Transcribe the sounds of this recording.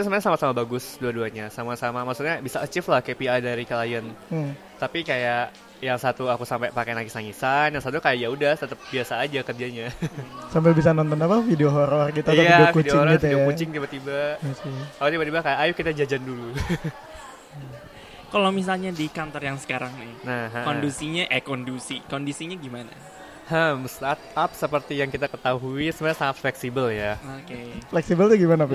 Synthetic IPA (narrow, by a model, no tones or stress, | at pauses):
t̪asəmaɲsamasamabaɡʊsduaduaɲasamasamamaksut̪̚ɲabisaət͡ʃɪflahkepiajdaɾikəlajən | t̪apikajaʔ | jaŋsat̪uakusampapakenaɡisaŋisanjaŋsat̪ukajaʔijaudaht̪ət̪əp̚biasaːd͡ʒakədiaɲasambɪlbis̬anɔnt̪ɔnapafideoɦoɾɔrɡit̪aaiadiofkudit͡ʃoɪhoŋɾɔifieokut͡ʃɪŋt̪ibat̪ibaməsiaot̪ibat̪ibakajaːjʊkit̪ad͡ʒad͡ʒandulu | kalomis̬alɲadikant̪ɔrjaŋsə̥kaɾaŋnɪhnaɦkondusiɲaʔɛkondusikondisiɲaɡimana | həmst̪at̪̚ap̚səpərt̪ijaŋkit̪akət̪aɦuisəmbaasaŋat̪̚flɛksibəljaokeflɛksibəlt̪uɡimanapa